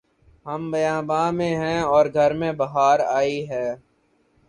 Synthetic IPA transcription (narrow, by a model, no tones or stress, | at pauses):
ɦəmbɐjãːbãːmẽɦɛ̃ɔːɾɡʱɐɾmẽbɐɦaːɾaːiɦɛː